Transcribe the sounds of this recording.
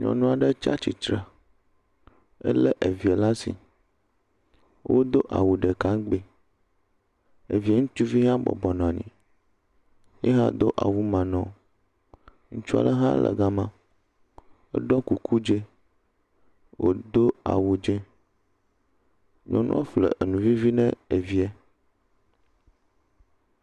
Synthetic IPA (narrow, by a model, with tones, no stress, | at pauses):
ɲɔ̰̃˨nũ˦a˨ɖe˦t͡ʃa̰˦t͡ɕi˨t̪ɾa˨ | ḛ˦le˦ʔe˨vi˨e˨la˦sḭ˨ | wʔo̰˦d̪o˦ʔa̰˨wu˨ɖe˨kã˨˦ŋɡ͡be˨ | e˨vi˨˦e˦ŋũ˦t͡ʃu˦vi˦ɦã˦bɔ̰˨bɔ˨nɔ̃˨a˨ɲḭ̃˨ | je˦ɦã̰˦d̪o˦ʔa̰˨wu˦mã˨nɔ̃˨ | ŋũ˦t͡ʃu˦a̰˨lə˦ɦã˦lə̰˨ɡa˦mã˦ | ḛ˦ɖɔ̃˦ku˨kʰu˦d͡ʒe˦ | wʔo̰˦d̪o˦a̰˨wu˨d͡ʒẽ˦ | ɲɔ̃˦nṵ̃˦a˦flḛ˨ʔe˨nũ˨vi˦vi˦nɛ̰̃˦e˨vi˦ɛ˦